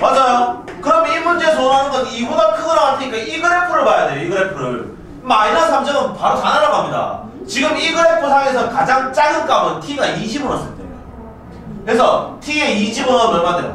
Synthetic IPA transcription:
mad͡ʑajo | kɯɾʌmimund͡ʑe̞s̬ʰoɦanɯnɡʌniuɡakʰɯɡɯɾoatʰɯɲik͈aiɡɯɾe̞kʰoɾɯɭbajade̞joiɡɯɾekʰoɾɯɭ | mainansʰamd͡ʑʰʌnɯnpaɾot͡ɕanaɾaɡamɲida̰ | t͡ɕiɡɯmiɡɯɾe̞kʰosʰaesʰʌkad͡ʑaŋt͡ɕ͈ajɯnk͈amʌntʰiɡaiɕʰibonʌs͈ʰɯt͈em | kɯesʰʌtʰieiɕʰibɯnʌmʌɭmadejo̰

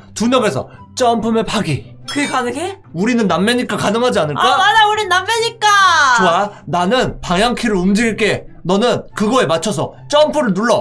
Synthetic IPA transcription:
tuɲʌŋe̞sʰʌ̰ | t͡ɕ͈ʌmpʰɯme̞paɡi | kɯekanɯŋe | uɾinɯnːamːeɲik͈akanɯŋɦad͡ʑianɯɭkamad͡ʑauɾinɯnːamːeɲik͈at͡ɕuananɯnpaŋjaŋkʰiɾɯɾumd͡ʑiɡiɭk͈e̞nʌnɯnkɯɡʌe̞mat͡ɕʰʌs̬ʰʌt͡ɕ͈ʌmpʰɯɾɯɭnuɭːʌ

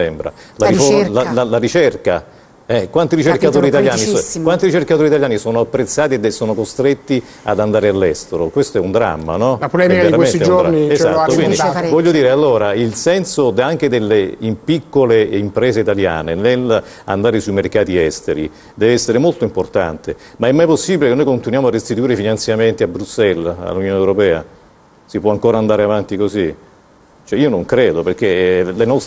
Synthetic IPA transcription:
ɛmbɾa̰lafolalalaɾit͡ʃerka | ɛkwant̪iɾit͡ʃerkat̪oːɾit̪aljaːnikkwant̪iɾit͡ʃerkat̪oːɾit̪aljaːnisoːnoapːɾet̪sːaːt̪ied̪esːoːnokost̪ɾet̪ːi | a̰d̪and̪aːɾealːɛst̪eɾokwest̪oɛund̪ɾa̰mːa̰nɔlapolɛːmiaiɾakwesnt̪iɛd͡ʒoniea̰t̪ːokwindivɔʎːod̪iːɾealːoːɾailsɛnsod̪aŋk̟ed̪elːeimpikːoleimpɾeːzeit̪alja̰ːnenel | a̰nd̪aːɾesuimerkaːt̪iɛst̪eɾḭ | d̪ɛːveɛsːeɾemolt̪oimport̪a̰nt̪emaɛmːajposːibilekenːojkont̪inwjaːmoarːest̪it̪uiːɾefinant̪sjament̪iabɾusɛla̰lːunjoːnewɾopɛːa̰ | sipwɔaŋkoːɾaːnd̪aːɾeavant̪ikozi | t͡ʃoɛiːonoŋkɾeːd̪operk̟elenɔs

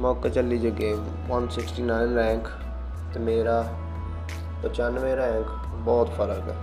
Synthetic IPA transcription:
mɔːket͡ʃəlid͡ʒəɡeːm | ʋənsɪksʈiːnaːɪnɾɛ̃ːŋk | t̪emeːɾaː | pət͡ʃaːnʋẽːɾɛ̃ːŋk | bɔːt̪fəɾəkɛ̰ː

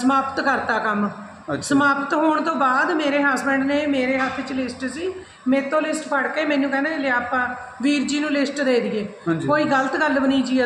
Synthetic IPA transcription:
səmaːpət̪kəɾt̪aːkəm | səmaːpət̪ɦoːɳ̃t̪õːbaːd̪meːɾeːɦaːsbɛ̃ːɳɖneːmeːɾeːɦaːt̪ʰɪt͡ʃlɪsʈsiː | mɛ̃ːt̪õːlɪsʈpʰəɽkeːmɛ̃ːnːũːkɛːnẽːleaːpãː | ʋiːɾd͡ʒiːnũːlɪsʈd̪eːd̪iːeːd͡ʒkoːiːɡələt̪ɡəlbəniːd͡ʒiː

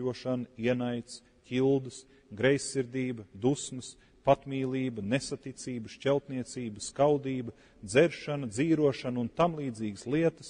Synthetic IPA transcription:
uɔʃaniɛnajt̪s | kʲilˠd̪ɨs | ɡɾɛjsːiɾd̪iːbəd̪usməs | pat̪miːlˠiːbənesat̪it̪siːbəʃt͡ʃʲɛlˠt̪niɛt̪siːbəskawd̪iːbə | d̪zɛɾʃanɐd̪ziːɾuɔʃanunt̪amlˠiːd̪ziːɡəslˠiɛt̪ə̥s

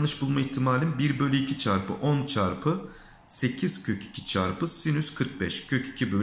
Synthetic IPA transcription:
nˠɯʃbulˠmaiçt̪ʰimaːlʲinbiɾbølʲyicʰit͡ʃʰaɾpʰɯ̰ʔont͡ʃʰaɾpʰɯ | se̞cʰiz̥cʲʰøci̥cʲʰi̥t͡ʃʰa̰ɾpʰɯsinyz̥kʰɯɾk̚bɛʃcʰø̞cʰi̥cʰibø

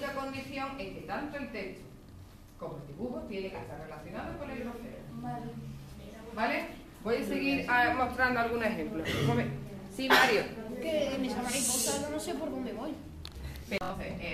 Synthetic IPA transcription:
kakõ̞nd̪iθjoŋeket̪ant̪oelt̪ekt̪o̥ | komoeld̪iβuxot̪jeneŋkest̪aɾrelaθjo̞naðokonellot̪ḛɾ̰ | bale | bojeseɣiɾamost̪ɾand̪oalɣ̞unexẽmplomoβesimaɾjokemesamaɾipot̪anõnõsepoɾðõnd̪eβoj | eõθee

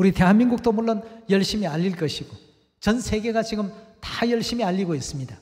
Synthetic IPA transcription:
uɾite̞ɦanminɡuk̚t͈omuɭːonjʌɭɕ͈imiaʎːilk͈ʌɕʰiɡ̥o | t͡ɕʌnsʰe̞ɡe̞ɡat͡ɕiɡɯmtḁjʌɭɕ͈imiaʎːiɡois͈ɯmɲida

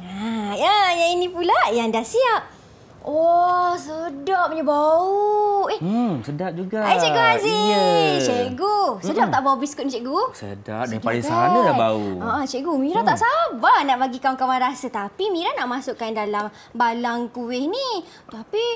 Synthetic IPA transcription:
ajajainĩpulajaŋdahsiap̚ | ɔsədap̚ɲəbauɛhsədap̚d͡ʒuɡaat͡ʃeʔɡuɦazit͡ʃeɡusədap̚t̪aʔbaubiskuʊt̪̚nit͡ʃɛʔɡusə̰da̰p̚daialiŋsaanadabaṵaʔat͡ʃɛʔɡumiɾat̪aʔsabanaʔbaɡikawaŋkawanɾasət̪apimiɾanaʔmasʊʔkːandalam | balaŋkuwɪhni | t̪api

